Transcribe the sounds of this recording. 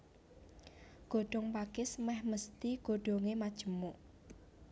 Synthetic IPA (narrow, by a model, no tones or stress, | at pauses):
ɡ̥o̤ɖ̥ɔ̤ŋpaɡ̥ɪsmɛhməst̪iɡ̥o̤ɖ̥oŋemad̥ʒ̥ə̤mʊʔ